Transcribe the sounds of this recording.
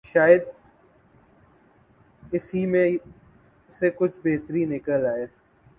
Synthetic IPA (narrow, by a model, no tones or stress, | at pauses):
ʃaːjɪd̪ | ɪsimẽ | sekʊt͡ʃʰbeːt̪ɾinɪkəlaːeː